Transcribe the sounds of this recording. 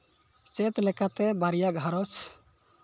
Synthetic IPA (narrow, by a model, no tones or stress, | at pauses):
t͡ʃet̪lɛkat̪ɛbaɾijaɡʱaɾɔt͡ʃʰ